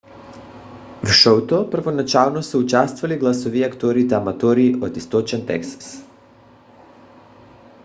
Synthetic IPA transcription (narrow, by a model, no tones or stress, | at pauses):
vʃowt̪opr̩vonat͡ʃalˠnosɛut͡ʃast̪valiɡlˠasoviakt̪oɾit̪aːmat̪oɾiːod̪ist̪ot͡ʃɛnt̪ɛ̰ksḁs